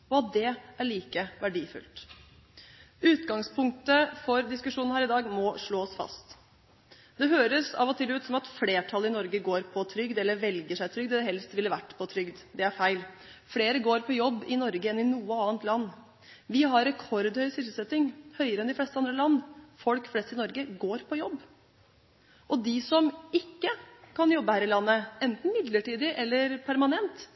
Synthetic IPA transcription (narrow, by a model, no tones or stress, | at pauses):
ɔɑt̪̚d̪ɛæɭiːkəʋæɖiːfʉ̰lt̪ | ʉːt̪ɡɑŋspʰʊŋk̚t̪əfɔɾd̪ɪskʉʂuːnhæːɾɪd̪ɑːɡmɔʂɭoːɔsfɑ̰st̪ | d̪ɛɦøːɾəsɑ̰ʋɔt̪ʰɪlʉːt̪sɔmɑt̪fleːʈʰɑlːəɪnɔɾɡəɡoːɾpʰɔt̪ʰɾʏɡd̪ɛlːəɾʋɛlɡəʂæɪt̪ʰɾʏɡd̪d̪ɛɦɛlst̪ʋɪlːəʋæʈːpʰɔt̪ʰɾʏɡd̪d̪ɛæɾfæɪl | fleːɾəɡoːɾpʰɔjɔbːɪnɔɾɡəɛnɪnuːəɑːənt̪lɑnː | ʋɪɦɑɾɾɛkʰɔɾd̪hœʏsʏsəlsɛt̪ːɪŋhœʏəɾəɛnd̪ɪflɛst̪əɑnd̪ɾəlɑnːfɔlkflɛst̪əɾɪnɔɾɡəɡoːɾpʰɔjɔbː | ʔɔd̪ɪsɔmɪkːəkʰɑnjɔbːəhæːɾɪlɑnːəɛnt̪n̩mɪd̪ləʈiːd̪ɪʔɛlːəɾpʰæɾmɑnɛnt̪